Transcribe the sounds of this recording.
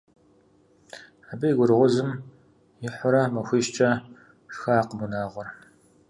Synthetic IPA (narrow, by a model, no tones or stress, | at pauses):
abɨjɡʷʊrʁʷʊzɨm | jɪħʷʊɾɐmɐxʷiʃt͡ʃʼɐ | xɐːqəbunaːʁʷʊr